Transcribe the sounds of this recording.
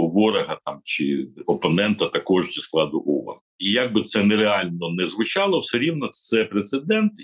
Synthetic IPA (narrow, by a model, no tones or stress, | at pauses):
ʋɔɾɐɦɐt̪ɑmt͡ʃɪ̰ɔpɔnɛnt̪ɐt̪ɐkɔʒzisklˠɑd̪ʊʔɔʋɐ̰n | ijaɡ̚bɪt̪sɛnɛɾeɑlʲnɔnɛzʋʊt͡ʃɑlˠɔwsɛɾʲiwnɐt̪sɛpɾet̪sed̪ɛnt̪